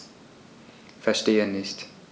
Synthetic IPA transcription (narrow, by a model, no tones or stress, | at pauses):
fɛɐʃteːənɪst